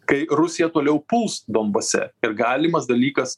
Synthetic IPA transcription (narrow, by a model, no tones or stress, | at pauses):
kɐɪɾʊsʲɪjɛt̪oːlʲɛʊpʊlˠsd̪oːmbɐsʲɛ̰ɪɾɡɑːlʲɪmɐsd̪ɐlʲiːkɐs